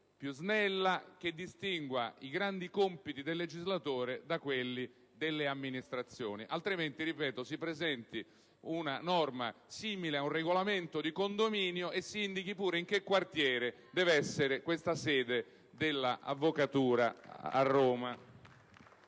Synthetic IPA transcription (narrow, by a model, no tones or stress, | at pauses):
pjuznɛlːak̟ed̪ːist̪iŋɡwaiɡɾand̪ikɔmpit̪id̪elːed͡ʒizlat̪oːɾed̪akwelːi | d̪elːeamːinist̪ɾat̪sːjoːniʔalt̪ɾiment̪iripɛːt̪osipɾezɛnt̪i | unanɔrma̰siːmileaunreɡolament̪od̪ikond̪omiːnjoʔesːiind̪ik̟ipuːɾeiŋk̟ekːwart̪jɛːɾe | d̪ɛːvɛsːeɾekwest̪asɛːd̪e | d̪elːa̰ʔa̰vːokat̪uːɾa̰a̰rːoːma